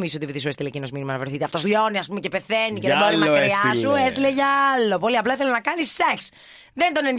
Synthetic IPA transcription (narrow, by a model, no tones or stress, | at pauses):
misot̪iepiðisuest̪ilecino̞zminimɐnɐvɾeθit̪eɐft̪o̞sʎo̞niɐspumecepe̞θeniceðeboɾiznɐkɾiɐsues̬t̪ileʝɐɐlːo̞poliɐplɐθelonɐkɐnisːeks | ðend̪o̞nenð